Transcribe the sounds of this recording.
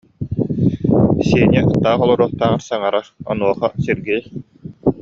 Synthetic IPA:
siɛnʲɛʔt̪ːaːχɔlˠɔɾuɔlt̪aːŋaɾsaŋaɾaɾɔ̰nuɔχasiɾɡiː

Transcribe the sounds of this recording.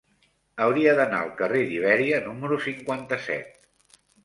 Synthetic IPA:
əwɾiəðəna̰əlˠkəreðiβ̞ɛɾiənuməɾusiŋkwant̪əsɛ̰t̪̚

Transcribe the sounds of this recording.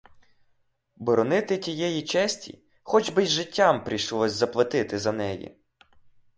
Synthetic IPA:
bɔɾɔnɪt̪ɪtʲijɛjit͡ʃɛsʲtʲḭ | xɔd͡ʒbɪjʒɪtʲːampɾʲiʃlˠɔsʲzɐplˠɐt̪ɪt̪ɪzɐnɛjḭ

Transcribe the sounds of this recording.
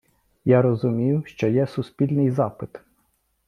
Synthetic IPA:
jaɾɔzʊmʲijʊʃt͡ʃɔjɛsʊspʲilʲnɪjzɑpɪt̪

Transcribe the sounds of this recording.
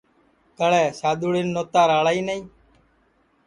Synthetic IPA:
kəɭɛːsaːɗ̪uːɽɪnːoːt̪aːɾaːɭaːiːnəĩː

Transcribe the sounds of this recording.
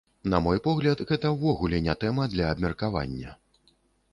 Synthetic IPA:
nɐmɔjpɔɣlʲɐt̪ɣɛt̪ɐwvɔɣulʲɛnʲat̪ɛmɐd̪lʲɐːbmʲɛrkava̰nʲːɐ

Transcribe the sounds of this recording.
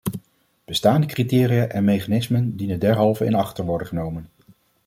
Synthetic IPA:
b̥əstaːndəkritɪːrijaʔɛnmejχanɪsməndinədɛɹɦɑlˠvəɪ̰nɑχtəɹʋɔɹdəχənowmən

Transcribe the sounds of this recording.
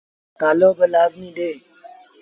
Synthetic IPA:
kalobəlabnĩɖe

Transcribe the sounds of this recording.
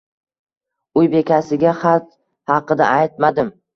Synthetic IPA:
ʊjbe̞kʲasɪɡʲaχɑt̪ | hɑqɨd̪a̰ʔajt̪̚mad̪ɪm

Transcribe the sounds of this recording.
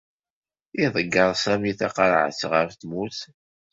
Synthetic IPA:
iðˤəɡːəɾˤsæmiθɑqɑɾʕə̰t͡sːʁəɾθmuθ

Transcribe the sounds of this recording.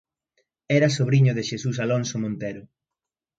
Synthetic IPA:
ɛɾɐsoβɾiɲʊðɪʃesusalonsomõnt̪ɛɾʊ

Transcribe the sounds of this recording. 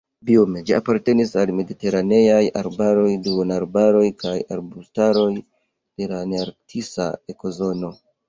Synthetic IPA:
biome̞d͡ʒia̰paɾte̞nisalme̞dite̞ɾane̞jaja̰ɾbaɾo̞jduonaɾbaɾo̞jkaja̰ɾbustaɾo̞j | d̥e̞laneaɾtʰisa̰eko̞zo̞no̞

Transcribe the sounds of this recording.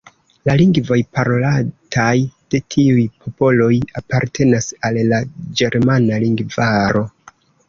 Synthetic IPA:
laliŋɡvo̞jpaɾo̞latajd̥e̞tʰiujpʰo̞po̞lo̞japaɾtʰe̞nasalːad͡ʒe̞ɾmanaliŋɡvaɾo̞

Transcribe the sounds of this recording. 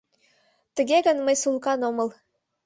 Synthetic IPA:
t̪ə̆ɡʲeɡə̆nmə̆jsulˠkɑnomɤ̆lˠ

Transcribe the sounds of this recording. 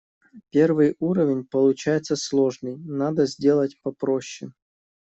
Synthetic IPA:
pʲervɨjuɾəvʲɪnʲpəlˠʊt͡ɕajɪt̪səslˠoʐnɨjnad̪əzʲdʲe̞lˠətʲpɐpɾoɕːɪ̰

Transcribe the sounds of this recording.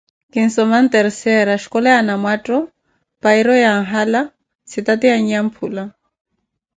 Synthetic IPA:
kɪn̩sɔman̩t̪ʼɛɾisɛɾaʃi̥kʼɔlɛanamwatʼɔ | paiɾɔjaŋ̩ɦala | sit̪atiaɲ̩jam̩pʰuːla

